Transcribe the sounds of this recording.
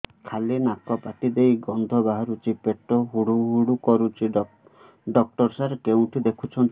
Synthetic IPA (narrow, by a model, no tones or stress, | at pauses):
kʰalenakɔpaʈid̪ejɡɔnd̪ʱɔbaɦaɾut͡ʃʰipeʈɔɦuɽuɦuɽukɔɾut͡ʃʰi | ɖɔk̚ʈɔɾsaɾɔkeũʈʰid̪ekʰut͡ʃʰɔnt̪